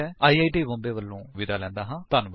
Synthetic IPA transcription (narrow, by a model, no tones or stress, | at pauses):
ɛaːiːaːiʈiːbɔ̃mbeːʋəlːõːʋɪd̪aːlɛ̃ːnd̪aːɦãːt̪aːnũ